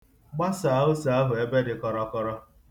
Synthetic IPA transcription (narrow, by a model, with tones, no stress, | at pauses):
ɡ͡ba˦sa˨˦ʊ˦sa˨a˦ɦʊ˨e˦be˦dɪ˨kɔ˨ɾɔ˦kɔ˦ɾɔ˦